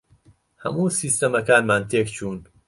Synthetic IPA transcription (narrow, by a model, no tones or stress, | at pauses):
hɐ̰muːsiːst̪ɐmɐkaːnmaːnt̪ʰeːkt͡ʃʰuːn